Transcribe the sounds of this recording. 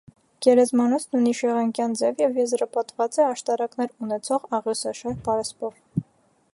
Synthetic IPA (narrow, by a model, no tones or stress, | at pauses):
ɡ̥ɛɾɛzmɑnɔt͡sʰnujniʃɛʁɑŋkjɑnd͡zɛvjɛvjɛzɾɑpɑt̪vɑt͡sɛɑʃt̪ɑɾɑknɛɾunɛt͡sʰɔʁɑʁjɔsɑʃɑɾpɑɾɛspɔv